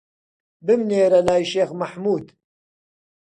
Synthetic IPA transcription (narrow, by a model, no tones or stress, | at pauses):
bɨmneːɾɐlaːjʃeːxmɐħmuːd̪